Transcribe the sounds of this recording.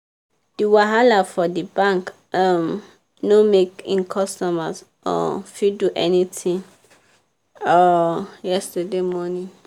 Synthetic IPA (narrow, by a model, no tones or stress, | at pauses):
d̥iwaɦalafɔdibãŋk | am | nomekĩnkʰɔstɔmaz | ɔ̰fiduʔɛnitʰĩŋ | ɔjɛstademɔnĩ